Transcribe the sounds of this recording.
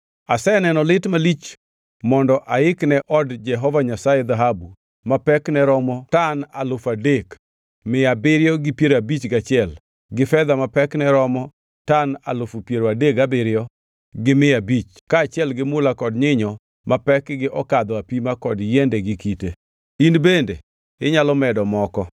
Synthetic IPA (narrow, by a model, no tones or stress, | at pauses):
asɛnɛnɔlɪtmalit͡ʃ | mɔndɔʔaɪknɛʔɔdd͡ʒɛɦɔvaɲasajɛd̪aɦabu | mapɛknɛɾɔmɔtanalʊfadek | mɪabɪɾjɔɡɪpjeɾabit͡ʃɡat͡ʃɪɛl | ɡɪfɛd̪amapɛknɛɾɔmɔ | tana̰lʊfupjeɾoadeɡabɪɾjɔ | ɡɪmɪabit͡ʃ | kaːt͡ʃɪɛlɡɪmʊlakɔdɲɪɲɔ | mapɛkɡɪʔɔkad̪ɔapimakɔdjɛndɛɡɪkite | inbendḛ | ɪɲalɔmɛdɔmɔkɔ